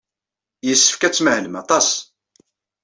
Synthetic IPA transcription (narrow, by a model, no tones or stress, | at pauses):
jəsːə̥fkæt͡sːməhnəmɑt̪ˤɑs